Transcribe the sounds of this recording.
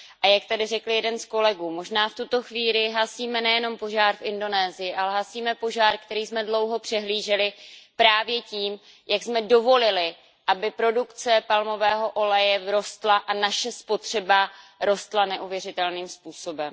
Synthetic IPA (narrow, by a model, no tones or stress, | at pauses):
ʔajak̚t̪adɪrɛkl̩jɛdɛnsko̞lɛɡuːmo̞ʒnaːft̪ut̪o̞xviːlɪɦasiːmɛnɛjɛno̞mpo̞ʒaːɾfʔɪndo̞nɛːzɪjɪʔalɛɦasiːmɛpo̞ʒaːɾkt̪ɛɾiːsmɛdlo̞wɦo̞pr̥ɛɦliːʒɛlɪpɾaːvjɛciːm | jaɡsmɛdo̞vo̞lɪlɪ | ʔabɪpɾo̞dukt͡sɛpalmo̞vɛːɦo̞ʔo̞lɛjɛɾo̞st̪laʔanaʃɛspo̞t̪r̝̥ɛbaɾo̞st̪lanɛʔuvjɛrɪt̪ɛlniːmspuːso̞bɛm